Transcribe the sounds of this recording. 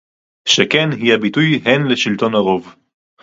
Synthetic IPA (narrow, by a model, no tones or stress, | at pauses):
ʃekenɦihabitujɦenleʃilto̞naʁo̞v